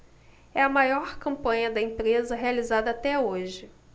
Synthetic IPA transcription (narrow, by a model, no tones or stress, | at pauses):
ɛɐmajɔɾkɐ̃mpɐ̃ɲɐd̪ɐẽpɾezɐɦealizad̪ɐaːt̪ɛoʒɪ